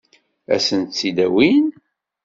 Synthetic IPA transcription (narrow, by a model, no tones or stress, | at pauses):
æ̰sənt̪t͡sːid̪æwin